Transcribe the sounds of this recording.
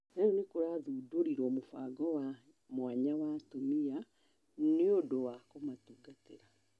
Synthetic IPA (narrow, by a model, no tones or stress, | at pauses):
neonekoɾaːðuːdoɾiɾɔmofa̰ɡɔwa | mwaɲawatomia | neodowakomatuɡateɾa